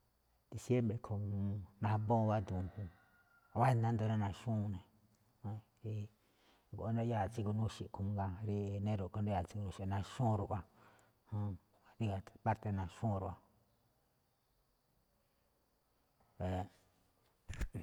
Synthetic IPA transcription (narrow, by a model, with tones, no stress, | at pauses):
d̪̥i˧sje˦mbɾe˨kʰo˧˨˧nã˧bõ˦˧βa˦d̪ũ˨˧hũ˧ | βa˦˧nã˦nd̪o˧nã˦nã˧ʃũ˦˧nẽ˨˧˦ | ɾi˧ | ɡo˨ʔnda˦ja˦˨t͡si˧ku˧nũ˦ʃi˧˨˧kũ˧ɡã˧ɾi˦˧nẽ˦ɾu˨ko˧nde˦ja˧˨t͡si˧ku˧ũ˧ʃi˧˨˧nã˧ʃũ˦˧ɾu˧˨ʔa˧ | hũ˦˧ | ɾi˦ɣa˧˨pa˦ɾt̪e˧nã˧ʃũ˦˧ɾu˨˧ʔa˧ | e˨